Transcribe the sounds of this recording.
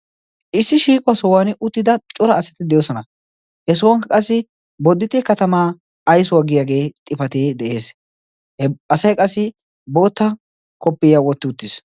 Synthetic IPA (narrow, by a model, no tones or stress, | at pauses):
ʔɪsːɪʃiːkʼʊwɐsɔwaːnʔʊt̪ːɪd̪ɐt͡ʃʼʊɾɐːsɐt̪ɪd̪ɛjoːsɔnɐ | hɛs̬ʊwɐŋkɐkʼɐsːɪ | bɔd̪ːɪt̪ʼɛkɐt̪ɐmaː | ɐjsʊwaɡɪjaːɡe̞ːt̪ʼɪpɐt̪eːd̪ɛʔe̞ːs | hɛɐsɐjkʼɐsːɪ | bo̞ːt̪ːɐ | kɔpːɪjawɔt̪ːɪʊt̪ːɪs